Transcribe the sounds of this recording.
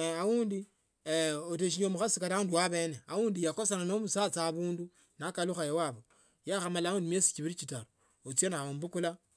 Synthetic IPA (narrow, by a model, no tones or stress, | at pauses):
awuːndi | ot̬eʃ̬iɲomuxasikaɾaunduwaβeneawuːndijakosananomusat͡saβuːndu | nakaluxajewaβo | jaxamalaundimjesi̥t͡ʃiβiɾit͡ʃitaɾo | ot͡senaombukula